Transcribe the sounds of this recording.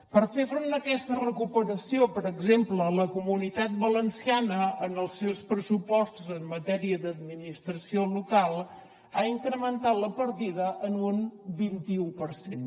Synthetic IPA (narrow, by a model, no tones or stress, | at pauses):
pəɾfefɾond̪əkɛst̪ərəkupəɾəsiopəɾəɡzemplələkumunit̪at̪̚bələnsianəənəlˠsːewspɾəsupɔst̪uzəmːət̪ɛɾiəd̪əd̪minist̪ɾəsiolukalˠ | aiŋkɾəmənt̪at̪ləpəɾt̪iðəʔənunbint̪iupəɾsen